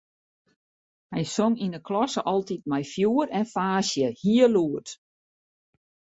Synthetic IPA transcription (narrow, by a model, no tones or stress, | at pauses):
hɛjsoŋinəkʰlɔsəʔɔlˠtit̚mɛjfjuəɾɛnfaːsjəhiəluət